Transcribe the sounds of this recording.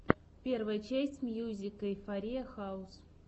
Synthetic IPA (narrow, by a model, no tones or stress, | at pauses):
pʲe̞rvəjət͡ɕæsʲtʲmʲjuzʲɪkəifɐɾʲijəxaʊs